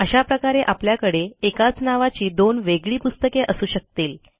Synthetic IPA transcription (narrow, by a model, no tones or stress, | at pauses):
əɕapɾəkaɾeʔapljakəɽeekat͡snaʋat͡ɕiːd̪onʋeɡɭiːpust̪əkeʔəsuːɕək̚t̪iːl